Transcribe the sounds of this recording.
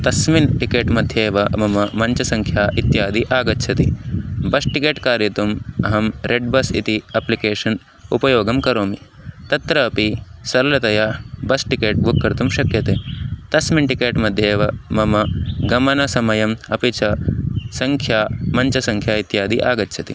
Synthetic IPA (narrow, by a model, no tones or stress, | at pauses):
t̪ɐsminʈikeːʈmɐd̪ʱjeːʋɐmɐmɐmɐɲt͡ʃɐsɐŋkʰjaːʔit̪jaːd̪iʔaːɡɐtːʃʰɐt̪ibɐsʈikeːʈkaːɾjɐt̪umɐɦɐmɾeɖbɐsḭt̪iɐplikeːʃɐn | upɐjoːɡɐmkɐɾoːmi | t̪ɐt̪ɾɐːpisɐɾɐlɐt̪ɐjabɐsʈikeːʈ̚bʱukːɐɾt̪umʃɐkjɐt̪eːt̪ɐsminʈikeːʈmɐd̪ʱjeːʋɐmɐmɐɡɐmɐnɐsɐmɐjɐmɐpit͡ʃʰɐsɐŋkʰjaːmɐɲt͡ʃɐsɐŋkʰjaːit̪jaːd̪iʔaːɡɐtːʃʰɐt̪i